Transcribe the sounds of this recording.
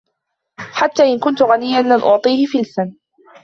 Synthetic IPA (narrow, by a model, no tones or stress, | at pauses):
ħat̪ːaːʔɪnkʊnt̪ʊɣanɪjːanlanʔʊʕt̪ˤiːhɪfɪlsan